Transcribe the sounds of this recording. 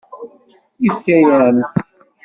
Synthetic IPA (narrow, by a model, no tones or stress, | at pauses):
ifkæjænθ